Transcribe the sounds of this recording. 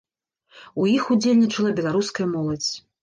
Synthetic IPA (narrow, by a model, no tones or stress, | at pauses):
ujixud͡zʲelʲnʲit͡ʂɐlˠɐbʲɛlˠaɾuskɐjɐmɔlˠɐd͡zʲ